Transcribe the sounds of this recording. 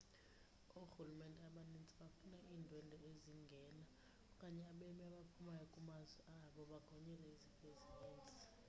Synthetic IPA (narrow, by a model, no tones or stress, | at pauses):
uxulumɛndʱʼɛaɓanint͡sʼiɓafunaʔiːndʱwɛndʱɔeziŋɡʱɛːna | kʼaɲɛaɓemiaɓapʰumajɔkʼumazwɛaɓɔɓaɡ̥ʱɔɲɛlɛizipʰʼezineːnt͡sʼi̥